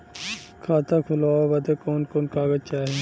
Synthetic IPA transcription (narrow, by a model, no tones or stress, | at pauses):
kʰaːt̪ʰakʰʊlaːbɐd̪ekoːnkoːnkaːɡət͡ʃaːɦĩ